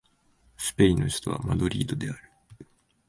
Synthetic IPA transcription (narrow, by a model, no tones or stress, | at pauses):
sɨ̥peinːo̞çi̥t̪o̞βa̰mad̪o̞ɾʲḭːd̪o̞d̪e̞aɾɯ̟